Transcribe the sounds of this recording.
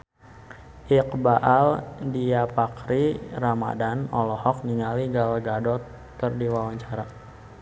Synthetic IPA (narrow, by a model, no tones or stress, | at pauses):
ʔik̚baʔaldiapakɾirama̰danɔ̰lɔhɔk̚niŋaliɡalaɡadɔt̪ | kərdiwawaɲt͡ʃaɾa